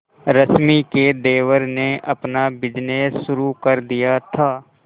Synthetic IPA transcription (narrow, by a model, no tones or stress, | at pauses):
ɾəsmiked̪eːʋəɾneʔɐpnabɪd͡ʒneːsːʊɾukəɾd̪ijat̪ʰaː